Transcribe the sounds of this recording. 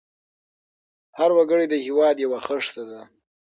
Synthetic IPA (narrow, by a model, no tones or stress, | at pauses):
haɾwaɡəɽed̪əhɪwɑd̪jawaxəʂt̪ad̪a